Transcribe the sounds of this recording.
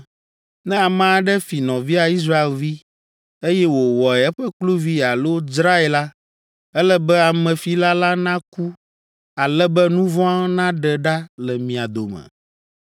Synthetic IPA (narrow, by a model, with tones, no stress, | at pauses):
nɛ̃˦a˨mã˨a˨ɖɛ˦fi˨nɔ̃˨vi˦a˨i˦s̬ɾa˦e˨lvi˦ | e˦jɛ˦wo˨wɔ˨ɛ˨ɛ˦ɸɛ˦k͡plu˦vi˦˨a˨lo˦d͡ʒɾa˦e˨la˦ | ɛ˦lɛ˦bɛ˦a˨mɛ̃˨fi˨la˦la˦nã˦ku˦ | a˨lɛ˦bɛ˦nũ˦vɔ̃˦a˦nã˦ɖɛ˨ɖa˦lɛ˨mĩ˨a˨d̪o˨mɛ̰̃˨